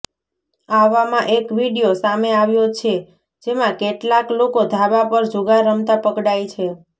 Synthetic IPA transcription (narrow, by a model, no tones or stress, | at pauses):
aʋamãʔekʋiɽijosameaʋjot͡ʃʰe | d͡ʒemãkeʈlaklokod̪ʱabapəɾd͡ʒuɡaɾəmt̪apəkɽajt͡ʃʰe